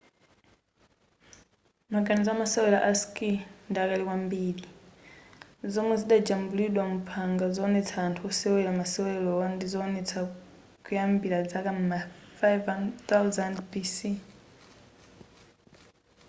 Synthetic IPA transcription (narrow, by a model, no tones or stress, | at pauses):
maɡanizaamasɛwɛla̰ʔaskindiakalikwambiːli | zɔmɛziɗad͡ʒambuliɗwamupʰaŋɡazɔnɛt͡sʰaːntʰuɔsɛwɛlamasɛwɛlɔɔndizɔːnɛt͡sʰa | kujambilazakam̩mafajvant̪awzandpisi